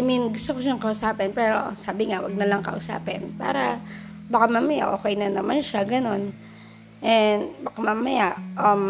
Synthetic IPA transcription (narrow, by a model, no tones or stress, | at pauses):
ʔɐminɡʊst̪okoʃaŋkɐʔʊsaːpɪnpɛːɾo̞̰saːbɪŋawɐ̰ɡ̚nɐlɐŋkɐ̰ʔʊsa̰ːpɪnpa̰ːɾɐ | bɐkamamɐja̰ʔoːkɛjnɐnɐmanʃaɡɐno̞n | ʔɛnbɐkamamɐjaʔʔɐm